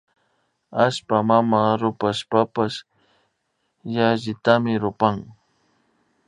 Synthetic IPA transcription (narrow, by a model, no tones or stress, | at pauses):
aʃpamamaɾʊpaʃpapas | jaʒɪt̪amɪɾʊpaŋ